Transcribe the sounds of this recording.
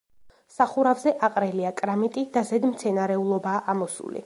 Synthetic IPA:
saχuɾavzɛʔaqʼɾɛliakʼɾamit̪ʼid̪azɛd̪mt̪sʰɛnaɾɛulˠɔbaːʔamɔsṵlḭ

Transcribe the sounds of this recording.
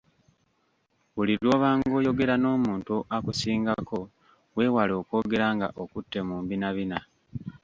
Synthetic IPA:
βulilwo̞ːβaːŋɡo̞ːjo̞ɡe̞ɾano̞ːmuːntuʔakusiːŋɡako̞ | we̞walo̞ːko̞ːɡe̞ɾaŋɡa̰ʔo̞kutːe̞muːmbinaβina

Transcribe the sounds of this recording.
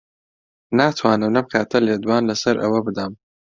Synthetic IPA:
naːt̪ʰwaːnɨmnɐb̚kʰaːt̪ʰɐleːd̪waːnlɐsɐɾʔɐ̰wɐbɨd̪am

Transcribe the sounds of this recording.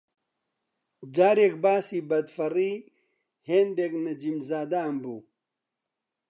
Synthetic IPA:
d͡ʑaːɾekbaːsibɐd̪fɐɾi | heːnd̪eknɐd͡ʑimzaːd̪ambu

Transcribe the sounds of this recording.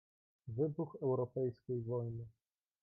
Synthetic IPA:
vɘbuxɛwɾɔpɛjskʲejvɔjnɘ

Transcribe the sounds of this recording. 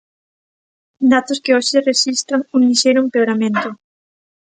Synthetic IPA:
d̪at̪ʊskɪoʃɪreʃist̪ɾaŋuŋniʃeɾumpeoɾamẽnt̪ʊ

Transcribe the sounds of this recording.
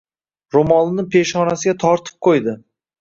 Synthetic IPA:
ɾomɒlˠnɪpʰe̞ʃχɒnasɪɡʲat̪ʰɒɾt̪ʰɪ̥p̚qʰojd̪ɪ

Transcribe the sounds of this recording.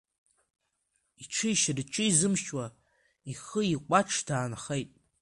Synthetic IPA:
iʈ͡ʂʰɨiʃrʈ͡ʂʼɨizɨmʃwa | iχəiqʷʼaʈ͡ʂʰd̥aːnχejtʼ

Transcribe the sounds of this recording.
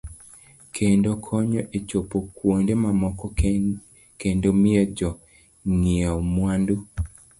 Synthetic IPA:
kʰendokʰɔɲɔʔet͡ʃopokwondemamɔkɔ | kendomiɛd͡ʒɔ | ŋiaɔmwandu

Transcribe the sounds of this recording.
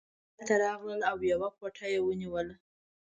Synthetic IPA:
t̪aɾɑɣləlawjawakwaʈʰajewəniwəla

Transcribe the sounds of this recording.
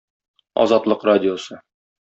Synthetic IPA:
ɒ̰zɑt̪lˠɤqradʲɪosɤ

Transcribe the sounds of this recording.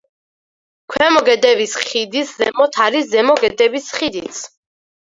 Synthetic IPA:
kʰwɛmɔɡɛd̪ɛvisχid̪iszɛ̰mɔt̪ʰaɾiszɛmɔɡɛd̪ɛvisχid̪it̪sʰ

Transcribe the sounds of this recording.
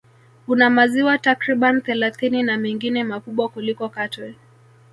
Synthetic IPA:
kunamaziwatakɾiɓanθɛlaθininamɛŋɡinɛmakuɓwakulikɔkatɛ

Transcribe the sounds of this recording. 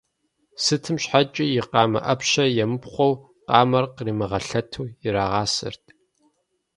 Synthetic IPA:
sɨtʰɨmɕħat͡ʃʼɪjɪqɑːmɐ̰ʔɐpɕɐjɛmɨpχʷɔw | qɑːmɐrqriːmɨʁɐɬɐtʰuːjɪɾaːʁɑːsɨ̰rtʰ

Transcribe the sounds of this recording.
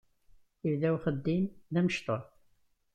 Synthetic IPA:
ivðæwχəd̪ːimðæməʃt̪o

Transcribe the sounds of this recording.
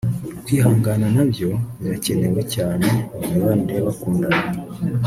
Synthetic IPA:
kwiːɦaːŋɡananaβjo̞βace̞newe̞caːne̞naβandeβakuːndana

